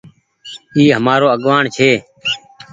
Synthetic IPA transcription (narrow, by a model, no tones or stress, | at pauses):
iːɦəmaːɾoːəɠʋaːɳt͡ʃʰeː